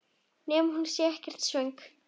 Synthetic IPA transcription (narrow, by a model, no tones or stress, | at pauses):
nɛːmɦunsjɛɛhcɛr̥t̪svœjŋk